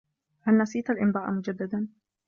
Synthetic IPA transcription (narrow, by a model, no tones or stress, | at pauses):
halnasiːt̪alʔɪmd̪ˤɑːʔmʊd͡ʒad̪ːad̪an